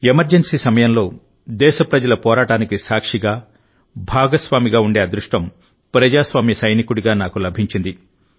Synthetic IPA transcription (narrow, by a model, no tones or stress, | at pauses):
emɐɾd͡ʒensiːsɐmɐjɐmlo̞ː | d̪ɛːʃɐpɾɐd͡ʒɐlɐpɔːɾaːʈaːnikisaːkʂiɡaː | bʱaːɡɐsʋaːmiɡaːuɳɖeːɐd̪ɾuʂʈɐm | pɾɐd͡ʒaːsʋaːmjɐsɐjnikuɽiɡaːnaːkulɐbʱiɲt͡ʃind̪i